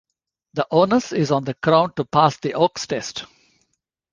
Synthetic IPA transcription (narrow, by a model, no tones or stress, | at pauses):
d̪əʔoːnəsɪzɔ̃ːnd̪əɡɾãʊ̃nɖ̚ʈupaːsd̪iʔɔːksʈɛsʈ